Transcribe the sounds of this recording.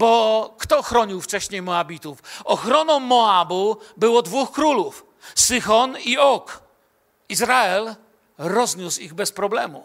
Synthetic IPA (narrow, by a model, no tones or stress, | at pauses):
bɔkt̪ɔxɾɔɲiwft͡ʂɛɕɲejmɔabʲit̪ufɔxɾɔnɔ̃mɔabubɘwɔd̪vuxkɾuluf | sɘxɔniɔk | izɾaɛl | ɾɔzɲusiɣbɛspɾɔblɛmu